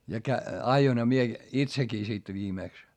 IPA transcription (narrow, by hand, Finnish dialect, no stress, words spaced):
jɑ kæ ɑjoinhɑ mie itsekiː sit ʋiːmeˑks